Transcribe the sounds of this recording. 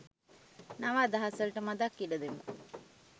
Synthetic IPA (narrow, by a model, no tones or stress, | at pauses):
naʋaːd̪ɐɦasəlʈəmad̪akːiɖəd̪emu